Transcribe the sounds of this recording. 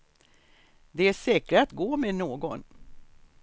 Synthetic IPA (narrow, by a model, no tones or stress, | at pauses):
d̪ɛæʂɛːkɾəat̪ɡoːmenoːɡɔn